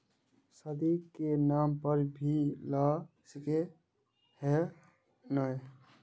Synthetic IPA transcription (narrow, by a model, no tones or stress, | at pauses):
səd̪ikenampəɾbʱila | sike | he | nəj